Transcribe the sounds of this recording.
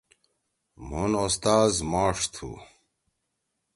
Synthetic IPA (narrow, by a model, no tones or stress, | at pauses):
m̤unost̪aːzmaːʂt̪ʰṵ